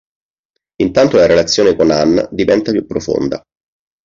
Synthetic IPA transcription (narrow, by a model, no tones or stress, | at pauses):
int̪ant̪olaɾelat̪sːjoːnekonanːd̪ivɛnt̪apjupːɾofo̰nd̪a̰